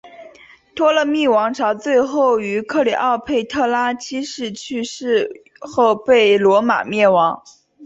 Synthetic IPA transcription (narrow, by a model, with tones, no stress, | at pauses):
t̪ʰwɔ˥lə˧˨mi˥˩wɑ˧˥ŋʈ͡ʂʰɑ˧˥ʊt͡swe˥˧ɪxo˥˩ʊy˧˥kʰɤ˥˩li˨˩ʔɑ˥˧ʊpʰe˥˧ɪt̪ʰɤ˥˩la˥t͡ɕʰi˥ʂɻ̩˥˧t͡ɕʰy˥˧ʂɻ̩˥˧ | xo˥˧ʊpe˥˩ɪlwɔ˧˥ma̰˨˩mjɛ˥˩nwɑ˧˥ŋ